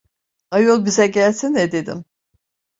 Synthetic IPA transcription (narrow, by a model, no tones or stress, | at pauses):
ajolˠbizɛɟælʲsinːɛd̪e̞d̪ḭm